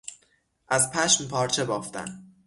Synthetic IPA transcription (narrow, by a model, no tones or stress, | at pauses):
ʔæzpʰæʃmpʰɒːɾt͡ʃʰebɒːft̪æ̰n